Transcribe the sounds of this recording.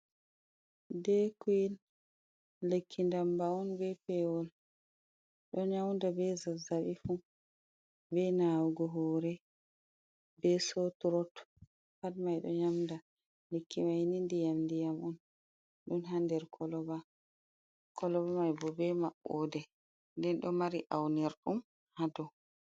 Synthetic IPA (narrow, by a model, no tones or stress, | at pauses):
dɛkuil | lekʰːindambaɔnbɛpɛwɔl | ɗɔɲamndabɛzazaɓifu | bɛnawuɡɔɦɔːɾɛ | bɛsotuɾɔt | padmajɗɔ̰ɲamnda | lekːimajnindijamndijamɔn | ɗunɦandɛɾkʰɔlɔba | kʰɔlɔbamajbɔbɛmaɓɔdɛ | ndɛnɗɔmaɾiʔawnɛɾɗum | hadɔ